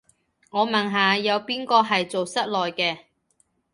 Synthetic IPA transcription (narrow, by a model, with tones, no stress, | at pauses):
ŋɔː˨˧mɐ˨˩nɦaː˨jɐ˨˧wpiː˥nkɔː˧ɦɐ˨jt͡so˨wsɐ˥t̚lɔː˨jkɛː˧